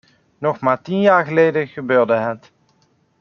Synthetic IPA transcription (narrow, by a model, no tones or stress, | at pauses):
nɔχmaːɹtinjaːɹχəlejdəχəbøːɹdəɦət